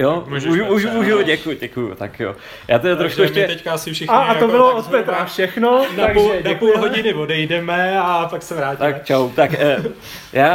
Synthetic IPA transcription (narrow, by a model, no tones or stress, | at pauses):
jooʒuuʒuʒoɟɛkuɟɛkujṵt̪akjo̰ | jaːt̪ɛdat̪ɾoʃkuɛʃɛt̪ɛkaasɪfʃɛxaat̪obɪloot̪pɛt̪afʃɛxnonaɡʒɛnapulɦoɟɪnɪvodɛjdɛmɛapaksɛvɾaːc̪akt͡ʃawt̪akː | jaː